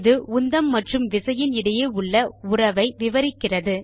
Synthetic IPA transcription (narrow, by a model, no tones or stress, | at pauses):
ðɯʊnd̪ɐmːɐʈrɯmʋɪsɐjɪnɪɽɐjeːʊɭːɐʊrɐʋɐɪʋɪʋɐɾɪkːɪrɐðɯ